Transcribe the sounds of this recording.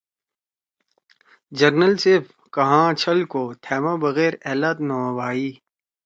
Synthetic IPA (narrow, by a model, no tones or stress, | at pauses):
d͡ʒɐɾnəlsep | kɐɦãːt͡ɕʰɐlkoːt̪ʰɛːmãbɐɣɛːɾeːlat̪noːʋaːiː